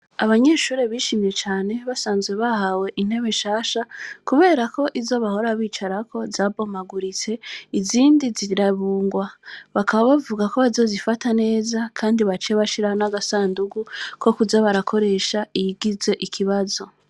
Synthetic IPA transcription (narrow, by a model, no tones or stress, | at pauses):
aβaɲe̞ʃuːɾe̞βiʃimje̞t͡ʃaːne̞βasaːnzɡwe̞βahawe̞ʔin̥he̞βeʃaːʃakuβe̞ːɾako̞ʔizo̞βaho̞ɾaβiːt͡ʃaɾakʰo̞zaːbo̞maɡuɾit͡se̞iziːndiziɾaβuːŋɡwaβakʰaβaβavuɡako̞βazo̞zifatane̞ːzakʰaːndiβat͡ʃeβaʃiɾahonaɡasaːnduɡukʰo̞kuzaβaɾakʰo̞ɾe̞ːʃaijiɡize̞ʔikʰiβazo̞